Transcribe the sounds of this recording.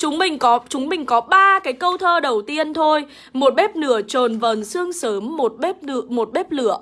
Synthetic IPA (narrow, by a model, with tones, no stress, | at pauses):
t͡ɕʊ˨˦ŋ͡mɓï˨˩ŋ̟kɔ˨˦t͡ɕʊ˨˦ŋ͡mɓï˨˩ŋ̟kɔ˨˦ɓaː˧kaː˨˦jkə˧wt̪ʰəː˧ɗə˨˩wt̪i˧ənt̪ʰo˧j | mo˨˩t̚ɓɛ˦˥p̚nɨ˧˩ət͡ɕo˨˩nvəː˨˩nsɨ˧əŋsəː˨˦mːo˨˩t̚ɓp̚mo˨˩t̚ɓɛ˦˥p̚lɨ̰˧˩əʔ